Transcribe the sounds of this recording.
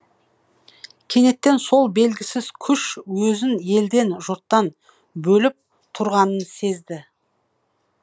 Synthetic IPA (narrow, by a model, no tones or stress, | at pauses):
kʲʰe̞ne̞t̪ːe̞nso̞lˠbe̞lɡʲɪsɪzkʲʰʏʃwɵzɪne̞ld̪e̞nʒʊɾt̪ːɑn | bɵlɪp̚ | t̪ʰʊɾʁɑnənse̞zd̪ɪ